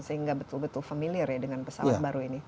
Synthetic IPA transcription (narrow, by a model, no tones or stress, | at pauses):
səɦiŋɡabət̪ʊlbət̪ʊlfamiliɛrjadəŋanpəsa̰wa̰baɾuini